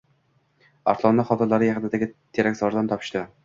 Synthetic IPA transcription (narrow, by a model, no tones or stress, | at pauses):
ɒ̰ɾt̪lˠɒnːɪχɒt̪ɪɾlaɾɪjaqɨnɪd̪aɡʲɪt̪ʰeɾakʲzɒɾd̪amt̪ʰɒpʰɪ̥ʃt̪ɪ